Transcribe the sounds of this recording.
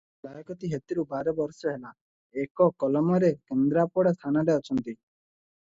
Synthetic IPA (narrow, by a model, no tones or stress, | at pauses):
lajɔkɔt̪iɦet̪iɾubaɾɔbɔɾsɔɦela | ekɔkɔlɔmɔɾekend̪ɾapɔɽast̪ʰanaɖaɔt͡ʃʰɔnt̪i